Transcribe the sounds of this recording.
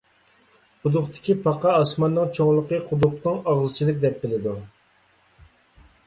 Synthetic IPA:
qʰʊd̪ʊqt̪ʰɪ̥kʲipʰɑqʰɑɑsmɑnːɨŋt͡ʃʰoŋlˠəqəqʰʊd̪ʊqnɨŋɑʁzɨt͡ʃʰilˠɨk̚ʲd̪ɛp̚bɪlɪd̪u

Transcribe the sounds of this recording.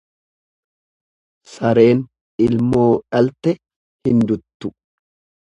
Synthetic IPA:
sɐɾe̞ːn | ɪlmo̞ːᶑɐlt̪ɛ | hɪnd̪ʊt̪ːʊ

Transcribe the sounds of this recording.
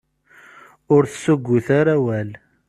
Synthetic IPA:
ʊɾθə̥suɡʷːʊθaɾæwæl

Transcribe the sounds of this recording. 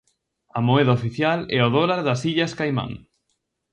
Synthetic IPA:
ɐmoeðaofiθjalɛoðolaɾðɐsiʎaskajmã̰ŋ

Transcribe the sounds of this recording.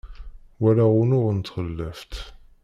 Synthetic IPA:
wælaʁʊnʊʁənt̪χəlːəft̪

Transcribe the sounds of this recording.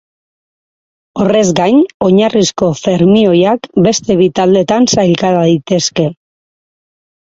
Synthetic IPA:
o̞re̞zɡajɲo̞ɲarisko̞fe̞ɾmio̞jakbe̞st̪e̞βit̪ald̪e̞t̪ansajlkaðaðit̪e̞ske̞

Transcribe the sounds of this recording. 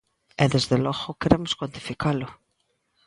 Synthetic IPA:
ɛðezðelɔɣʊkeɾemʊ̥skwant̪i̥fikalʊ

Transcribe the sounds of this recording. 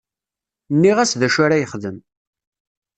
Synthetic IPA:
nːiʁæsðæʃaɾajəχðəm

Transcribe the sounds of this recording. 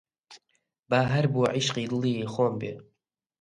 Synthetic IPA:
baːɦaɾbuʕiʃqiːd̪ɨlixombḛ

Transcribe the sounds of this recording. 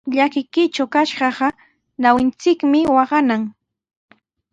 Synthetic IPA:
ʎakɪkɪt͡ʃawkaʃɢɑɢɑ | nawɪnt͡sɪkmɪwɑɢɑnaŋ

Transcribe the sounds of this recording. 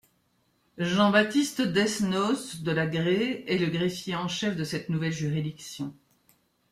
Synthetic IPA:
ʒɑ̃bat̪ist̪d̪ɛsnɔsd̪əlaɡʁeɛləɡʁefjeɑ̃ʃɛfd̪əsɛt̪nuvɛlʒyʁid̪iksjɔ̃

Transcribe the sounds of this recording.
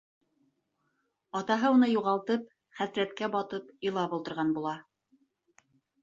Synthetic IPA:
ɑt̪ɑɦɤunɤjuʁɑlˠt̪ɤp̚ | χæsɾæt̪kæbɑt̪ɤpilˠɑpulˠt̪ɤ̆ɾʁɑnbulˠɑ

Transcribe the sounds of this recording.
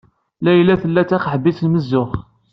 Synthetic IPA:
læjlːæθəlːæt͡sːæχəħbiθlməzːʊχ

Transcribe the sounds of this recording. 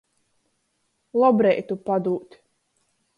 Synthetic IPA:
lˠɔbɾɛjt̪upad̪uːt̪ʲ

